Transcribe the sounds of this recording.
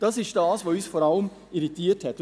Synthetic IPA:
d̥ɑsɪʃd̥ɑːsʋoːyːsfɔɾɑləm | iɾitiːəthɛt

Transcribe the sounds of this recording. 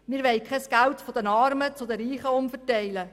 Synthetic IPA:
miːʋɛɪkʰɛsɡ̥æltfodənɑːɾmət͡sʊd̪əɾiːχəʊmfətɛɪlə

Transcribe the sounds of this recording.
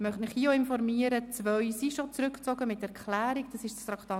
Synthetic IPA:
mœχtnɪχhiəoɪnfɔɾmiəɾət͡svœɥsiʃot͡sɾʏkt͡sɔɡəmɪtɛɾklæːɾiɡd̥ɑsɪʃstɾɑkt̪ɑː

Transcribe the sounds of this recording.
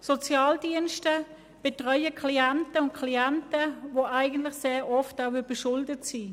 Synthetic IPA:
sɔt͡sjaːldiənʃtə | b̥etʁœʏəkʰliantəʊnt̚kʰliantəvoʔaɪɡən̩tlɪxseːɾɔftaʊvyb̥əʃʊldətsiː

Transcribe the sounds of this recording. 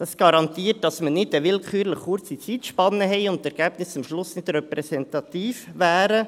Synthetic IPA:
d̥ɑsɡ̥ɑɾɑnt̪iːət̚d̥ɑsmənɪdəʋɪlkχyːɾləχʊɾt͡sit͡siːtʃpɑnːəɦɛɪʊnttːɛɾɡ̥æːb̥nɪsʊmʃlʊsnɪdɾɛpɾɛsɛntɑt̪iːfʋæːɾə

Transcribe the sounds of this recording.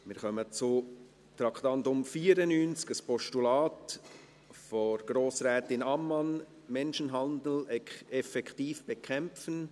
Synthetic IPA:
mɪɾχœmət͡sʊ | t̪ɾɑkʰt̪ɑntʊmfiːəɾənyːnt͡skəspɔʃtulɑːt | fɔɾɡ̥ɾoːsɾɛːtɪnɑmːɑn | mɛnʃənɦɑnd̪l̩ɛɛfɛkχtiːfb̥ɛkʰɛmfən

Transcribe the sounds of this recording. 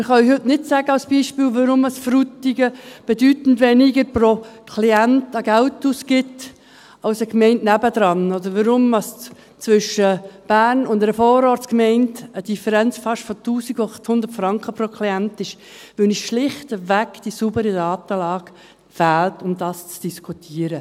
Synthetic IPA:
mɪχɑyhʏtnɪtsæːɡəɑlsb̥iːʃpiːlvəɾʊməsfrutiɡəb̥ɛdyːtn̩dvɛniɡəɾprokʰliɛntɑɡæltusɡɪt | ɑʊsəkmɛɪntnæbəd̥̪ɾɑnɔdəɾʋəɾʊmɑs | t͡svʏʃəb̥æːɾnʊndɛɾəfɔːɾɔːɾtskmɛɪntəd̥ifəɾɛnt͡sfɑʃfɔtuːsiɡʊɑχt̪hʊnd̪əɾtfɾɑŋkχəpɾokʰliɛntɪʃ | ʋɪlnɪsʃlɪχtəvækd̥isubəɾidɑːtəlɑːɡ̥ | fæːltʊmd̪ɑːst͡sd̥iskʰutʰiəɾə

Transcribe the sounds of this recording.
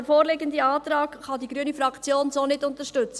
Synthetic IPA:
foːɾlɪɡəndiɑːtrɑːkχɑdiɡɾyənifɾɑkt͡sjoːnsoːnɪtʊntəɾʃtʏt͡sə

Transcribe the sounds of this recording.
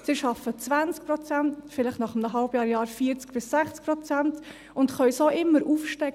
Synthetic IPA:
sɪʃɑfət͡svant͡sk̚pɾɔt͡sæntfɪlɪχnɑχəmnəɦɑlbjɑːɾjɑːɾfiːɾt͡skb̥ɪsːæχt͡skpɾɔt͡sɛnt | ʊntχœʏsoːʔɪmːəɾʔuːfʃtɛk

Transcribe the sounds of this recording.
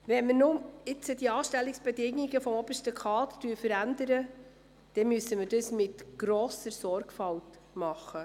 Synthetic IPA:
vɛnməɾnʊmɪt͡səd̥iɑːʃtɛlːɪksb̥edɪŋiɡəfɔmɔb̥əɾʃtəkʰɑːttyːɾfəɾændəɾə | d̥ɛmyəsəməɾdəsmɪtɡ̥ɾoːsəɾsɔɾɡfɑlt | mɑχːə

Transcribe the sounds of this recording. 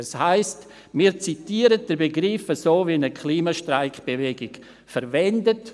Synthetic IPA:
ashaɪst | miːɾt͡sitiːəɾət̚d̥əɾbeɡɾɪfəsoːvinəkʰliːmaʃtɾaɪkb̥evɛɡɪk | fəɾvɛndət

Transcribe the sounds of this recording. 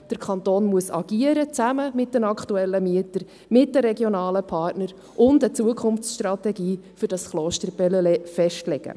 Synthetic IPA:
d̥əɾkʰχɑnt̪oːnmuəsɑɡ̥iəɾət͡sæməmɪt̚d̥ɛnɑkχtuɛlːəmiətəɾ | mɪt̚d̥əɾɛɡjonɑːləpʰɑrtnəɾ | ʔʊndət͡suəkʰχʊnft͡sʃtrɑtɛɡiːfʏɾdɑsχloːʃtəɾbɛləlɛfɛʃtlɛɡ̥ə̰

